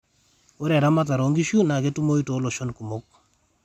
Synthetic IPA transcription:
o˦ɾɛ˨ɾa˦ma˦t̬a˨ɾo˨ŋɡi˦ʃu˦na˨ɡe˦tu˦mo˦i˦to˨˦lo˨ʃo˦nku˨mo˦k̚

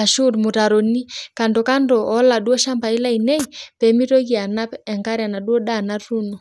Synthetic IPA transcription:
a˨ʃu˦˨ɾmu˨ta˨ɾo˨ni˦ka˨ndɔ˨ka˦ndɔ˨ʔːla˨ɗu˦ɔ˦ʃa˦mba˨i˦la˦i˨nɛ˦i˨pɛ˨˦mi˦to˦ki˨a˨na˦pɛ˨ŋka˦ɾa˨na˨ɗwɔ˦ɗa˦˨na˦ɾu˦nɔ˨

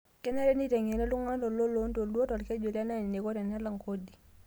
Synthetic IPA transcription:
kɛ˦na˦ɾɛ˦ni˦tɛ˨ŋe˨na˦lu˦ŋa˦tɔ˨lo˦lo˦nto˨dɔ˦tɔ˨lkɛ˦d͡ʒo˨la˦na˦ni˨ni˨ko˦te˨na˦la˨ŋko˦di˨

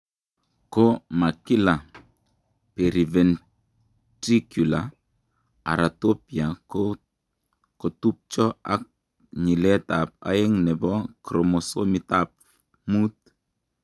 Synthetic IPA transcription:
ko˦ma˨ki˦la˨ | pe˨ɾi˨vɛ˨n | tɾi˦kju˨la | a̰˨ɾa˨to˦pja˨ | ko˨tu˦p̚t͡ʃɔ˦a̰˦k̚ | ɲi˨lɛ˦ta˨p̚a̰˦ɪ˦ŋnɛ˨bɔ˦kɾo˨mo˨so˦mi˦ta˦p̚ | mu˦t̪̚

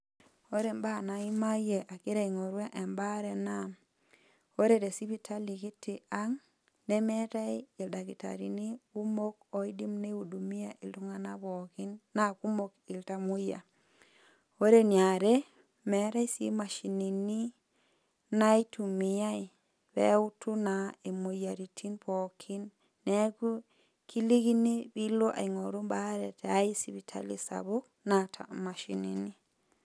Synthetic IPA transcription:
o˦ɾe˨mba˦na˨i˦ma˦je˨ʔa˨ki˦ɾa˨i˨ŋo˨ɾwe˦ʔe˨mba˦ɾe˨na˦ | o˦ɾe˨de˨si˦βi˦tʰa˦li˨ɡi˦ti˨a˦ŋ | ne˦mɛ˦ta˦ji˨lda˨ki˨ta̰˨ɾḭ˨ni˦u˦mo˦ko˨i˦di˦mne˦u˨du˨mi˦ja˨ʔi˨lu˦ŋa˦na˦bɔ˨ki˦nːa˦ku˦mo˦ki˨lta˨mu˦ja̰˨ | wo˦ɾenaɾe | meɾa˦jsḭmaʃinini | najtumijaj | bḛutunaemujaɾitʰinpokʰinː | eku | ki˦li˦ɡinibiloʔa̰˨jŋoɾu˦mbaɾeteajisiβitʰa̰lisa̰bok̚ | natʰa̰maʃḭnḭni

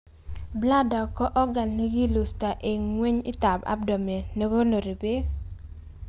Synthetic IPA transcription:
bla˦da˨kɔ˦ʔɔ˦ɡa˨nli˦ɡi˦lu˨sta˨ʔe˨ŋŋwe˦ɲɪ˦ta˨ba̰˦b̚dɔ˨me˨ne˦ɡo˦no˨ɾi˨be˦

